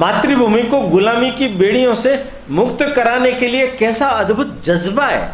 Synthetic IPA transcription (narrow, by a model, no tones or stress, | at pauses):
maːt̪ɾibʱuːmikoɡʊlaːmikibeːɽ̤ijõse | mʊkt̪kɐɾaːnekeliekɛːsaɐd̪bʱʊt̪̚d͡ʒɐzbaɦɛ̰ː